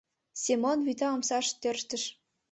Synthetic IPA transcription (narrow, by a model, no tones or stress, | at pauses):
sʲemonβyt̪ɑːmsɑʃt̪ørʃt̪ə̆ʃ